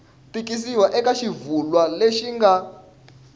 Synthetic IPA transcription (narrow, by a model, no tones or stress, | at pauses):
pikis̬iwaʔɛkaʃivulwaleʃiŋɡa